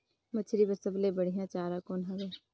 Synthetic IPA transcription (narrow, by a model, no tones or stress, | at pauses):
mɐt͡ʃʰɾibəsəblebɐɽ̤ijãt͡ʃaːɾakoːnɦɐʋeː